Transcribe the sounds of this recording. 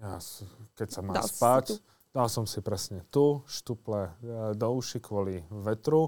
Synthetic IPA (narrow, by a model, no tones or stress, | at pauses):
ja̰skɛcsamaːspac | d̪̥alsɔmsipɾɛsɲɛt̪uʃt̪uplɛd̪ɔuʃikʋɔliʋɛt̪ɾu